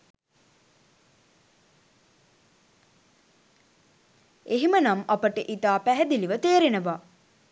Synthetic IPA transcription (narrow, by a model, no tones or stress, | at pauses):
eɦimənamɐpəʈəʔit̪aːpæɦɛd̪iliʋət̪eːɾenəʋaː